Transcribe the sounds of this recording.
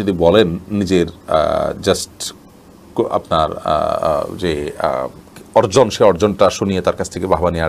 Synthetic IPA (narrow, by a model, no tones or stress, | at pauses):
od̪ibɔlenːid͡ʑeɾ̰d͡ʑasʈ | a̰pna̰ɾ̰d͡ʑe | ɔɾd͡ʑonʃeɔɾd͡ʑonʈaʃonijet̪aɾkat͡ɕʰt̪ʰekebʱaɦbania